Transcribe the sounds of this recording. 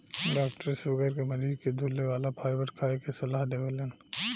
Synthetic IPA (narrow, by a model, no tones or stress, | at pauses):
ɖaːkʈəɾsʊɡəɾkemɐɾiːzked̪ʱuːlːeʋaːlapʰaːjʋəʈkʰaːekesɐlaːɦd̪eːɡəlen